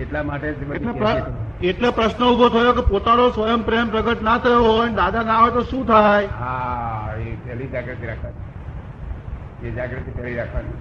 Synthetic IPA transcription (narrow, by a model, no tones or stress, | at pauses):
eʈlamaʈed͡ʒbəeleə | eʈlepɾəʃnəubʱot̪ʰəjokepot̪anosʋəjəmpɾeəmpɾəɡəʈnat̪ʰəjoɦɔjned̪ad̪anaʋet̪oʃũt̪ʰajɦa | epɛlid͡ʒaɡɾat̪ʰiɾakʰʋane | ed͡ʒaɡɾat̪ʰipɛliɾakʰʋane